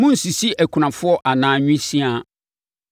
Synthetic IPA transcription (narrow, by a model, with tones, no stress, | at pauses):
mʊ̃˦n̩˨si˨si˦ʔæ˨kʰu˨nã˨fʊ˦ɔ˦ʔa˨nãː˨˦ɲᶣʊ̃˦sĩ˦a˦